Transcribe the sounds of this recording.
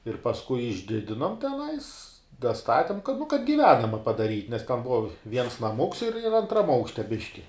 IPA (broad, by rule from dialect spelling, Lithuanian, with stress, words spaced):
ɪr pɐsˈkʊɪ ɪʒʲˈdʲɪdʲɪnoːm tʲɛˈnɐɪs dɐˈstɑːtʲɪm kɐt nʊ kɐt ɡʲɪˈʋʲæːnɐmɐ pɐdɐˈrʲiːtʲ nʲɛs tʲɛn ˈbʊʋɐ ˈʋʲiɛns nɐˈmʊks ɪr ɪr ɐntˈrɐm ˈɐʊkʃʲtʲɛ ˈbʲɪʃʲkʲɪ